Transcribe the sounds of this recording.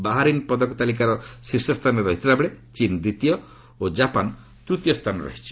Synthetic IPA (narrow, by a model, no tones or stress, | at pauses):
baɦaɾinpɔd̪ɔkɔt̪alik̬aɾɔsiɾsɔst̪ʰanɔɾɔɦit̪iɾabɭet͡ʃind̪it̪ijɔ | od͡ʒapan | t̪ɾut̪ijɔst̪ʰanɔɾɔ̰ɦit͡ʃʰi̥